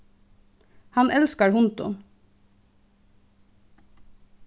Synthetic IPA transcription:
hɑnʔɛlskəɹhʊnt̪ʊ̰n

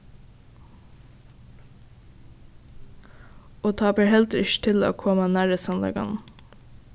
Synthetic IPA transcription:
oːt̪ʰɑːpəhɛlt̪ɾʏʃt̪ʰɪlo̰ːkʰɔmɑnæːɹəsɑnlɛ̰ɡɑ̰n

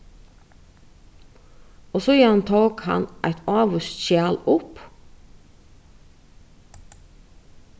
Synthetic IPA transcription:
oːsoːjiːhɑnt̪ʰɑːkhɑ̰nʔæɪt̪ɑːʋʉst̪ʃæːlʊp

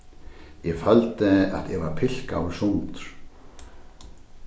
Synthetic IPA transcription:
jɛfalt̪ɪa̰ðjɛvaɾ̥pʰɪl̥ka̰ːwɪ̥sunt̪ʏɾ̥

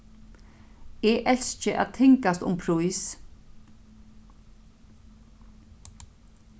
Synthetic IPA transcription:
ɛʔɛl̥st͡ʃɪʔa̰ːðt̪ʰɪŋkast̪ʊ̰mpʰɾujs

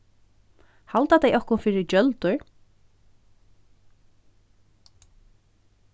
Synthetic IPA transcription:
halt̪at̪ajʔɔhkʊnfɪːɾɪt͡ʃœlt̪ʊɹ

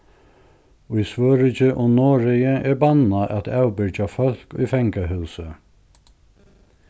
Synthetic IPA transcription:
ʊjsvøːɾɪt͡ʃɪʔʊmnoːɹɪjɪʔɛɹbanːaʔæt̪ʰawbɪt͡ʃafœl̥kʊ̰jfɛŋkaɦʉːsə

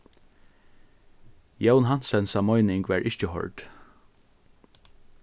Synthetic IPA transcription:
jɛʊnhɑnsɛnsɑmɔʏnɪŋɡʋæːɹʔɪçcəhɔ̰ɹɖ̥

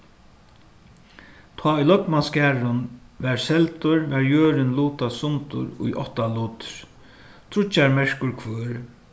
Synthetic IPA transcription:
t̪ʰaːʊjlɔkmaskæːɾʊnʋɛɹsɛlt̪ʊɹʋɛɹjøːɾɪnluːt̪asʊnt̪ʊ̰ɾʊ̰jʔɔ̰ht̪aluːt̪ɪ̥ɾ̥ | t̪ʰɾʊt͡ʃːaɹmɛɹkʊɹkʰvøːɾ

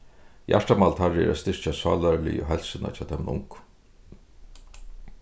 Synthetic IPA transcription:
ja̰ʂʈamalt̪ʰaɹɪɛ̰ɾast̪ɪʂt͡ʃasa̰ːlaɾlɪ̰jɔ̰ɦɛlsɪna̰t͡ɕʰaːt̪ʰɛmnʊ̰ŋk

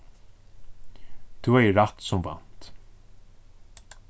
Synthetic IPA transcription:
t̪ʰuɛjɪɾat̪sʊmva̰n̥t̪

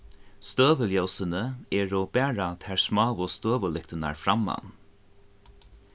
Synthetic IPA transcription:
st̪øːʋəljɔwsənəɛːɹɔb̥æːɹat̪ʰɛɹsmaːʋʊst̪øːʋəlɪk̚t̪əna̰ɹfɾama̰n

